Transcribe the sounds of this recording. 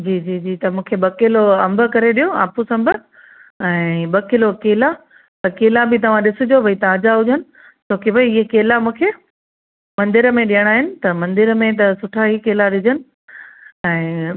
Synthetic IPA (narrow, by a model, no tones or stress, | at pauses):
d͡ʑiːd͡ʑiːd͡ʑiːt̪ɐmũːkʰeɓɐkɪloɐ̃mbʱə̆kɐɾeɗijoa̰ːpusɐ̃mbʱə | ɛ̃ːɓɐkɪlokeːla | t̪ɐkeːlabɪt̪ɐʋ̤ãɗɪsʊd͡ʑobʱɐit̪ãɐd͡ʑaɦʊd͡ʑənɪ̆ | t͡ɕʰoːkibʱɐiɪɦekeːlamũːkʰe | mɐ̃nd̪ɪɾəmẽɗijəɽ̃aːɦɪnɪ̆t̪ɐmɐ̃nd̪ɪɾəmẽt̪̬ɐsʊʈʰaɦikeːlaɗɪd͡ʑənɪ̆ | ɛ̃ː